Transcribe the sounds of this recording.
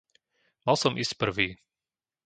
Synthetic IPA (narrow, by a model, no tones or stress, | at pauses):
malsɔmʔiscpr̩ʋiː